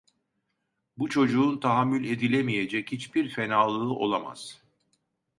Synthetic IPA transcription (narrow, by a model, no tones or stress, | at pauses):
but͡ʃʰo̞d͡ʒuːnt̪ʰaɦamːylʲe̞d̪ilʲemije̞d͡ʒɛchit͡ʃbiɾfe̞naːlˠɯːʔo̞̰lˠama̰z̥